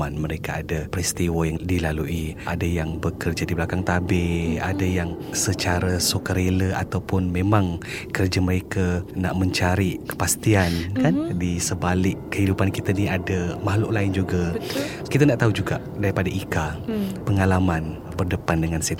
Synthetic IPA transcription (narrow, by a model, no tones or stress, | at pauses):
anməɾekaadapɾist̪iwəjaŋdilaluʔiadajaŋbəkərd͡ʒadiblakaŋt̪abea̰dajaŋsət͡ʃaɾasokəɾeləa̰t̪awpʊnmẽmãŋkərd͡ʒaməɾekana̰ʔmə̃ɲt͡ʃaɾikə̥past̪iankandisəbalɪkːəɦidupankit̪aniadamaɦlʊʔlaɪnd͡ʒuɡa | kit̪anaʔt̪aɦud͡ʒuɡaʔdaɾipadaʔikapəŋalaman | bərdəpandəŋanset̪